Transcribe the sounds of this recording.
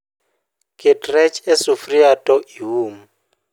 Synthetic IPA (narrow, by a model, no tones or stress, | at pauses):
kʼɪtʼrɛt͡ʃʰʼɛsufriatʼɔiɦuːmu